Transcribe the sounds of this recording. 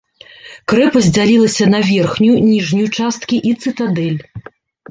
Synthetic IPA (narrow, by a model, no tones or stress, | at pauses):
kɾɛpɐzʲd͡zʲalʲilˠɐsʲɐnɐvʲɛrxnʲunʲiʐnʲijut͡ʂast̪̚kʲiʔit̪sɨt̪ad̪ɛlʲ